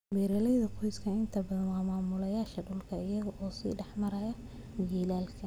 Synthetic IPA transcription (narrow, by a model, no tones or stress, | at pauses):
wɛːɾɐlɛjðɐqʰɔjskʰɐɪnt̪ʰɐbɐðɐmaːmaːmʊlɐjaːʃɐɖʊlkʰɐɪjɐɣɐʔɔːsḭːɖɛħmɐɾɐjɐ | mɪjiːlaːlkʰɐ